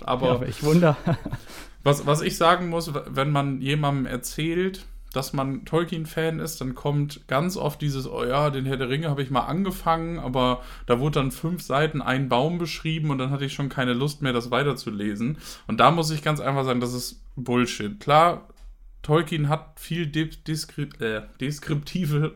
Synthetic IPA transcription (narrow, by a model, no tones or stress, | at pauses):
ʔa̰ːbɐɪçvʊndɐ | vasvasɪçz̥aːɡŋ̩mʊsvvɛnmanjeːmandm̩ʔɛ̰ɐt͡sɛːlt | d̥asmantʰɔlkinfɛːnɪst̚d̥ankʰɔmtɡ̥ant͡sʔɔ̰ft̚d̥iːzəsʔo̰jaːdeːnhɛɐdəʁɪŋəhaːbəɪçmaːlʔa̰nɡəfaŋənʔaːbɐ | d̥aːvʊɐddanfʏnfz̥aɪtn̩ʔa̰ɪnbaʊmbəʃʁ̥iːbm̩ʊntd̥anhatəɪçʃoːnkʰaɪnəlʊst̚meːɐdasv̥aɪtɐt͡suleːzn̩ʔʊnt̚d̥aːmʊs̬ɪçɡ̥ant͡sʔa̰ɪnfaχz̥aːɡŋ̩das̬ɪstb̥ʊlʃɪt̚kʰl̥aːɐ | tʰɔlkinɦat̚fiːldd̥skʔɛːd̥eskʁ̥ɪp̚tʰiːvə